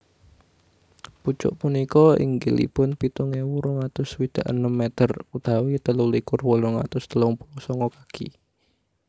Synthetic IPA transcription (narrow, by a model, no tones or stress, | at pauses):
put͡ʃʊ̰ʔpunikɔɪ̰ŋɡilḭpʊnpit̪uŋewuɾɔŋat̪ʊswid̪̥ä̤ʔənəmːet̪ərud̪̥a̤wit̪əlulikʊrwɔlɔŋa̰t̪ʊsd̪̥əlɔŋpulɔsɔŋɔkḁkʰḭ